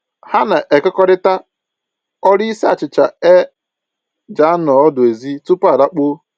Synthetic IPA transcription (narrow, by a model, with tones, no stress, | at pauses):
ha˦na˨ʔe˨kɔ˦kɔ˦ɾɪ˦ta˦ | ɔ˦ɾi˦si˦a˨t͡ʃɪ˨t͡ʃa˨e˦ | d͡ʒa˨˦a˦nɔ˨ɔ˦dʊ˨e˨zi˦tu˦pa˨ɾa˦k͡po˦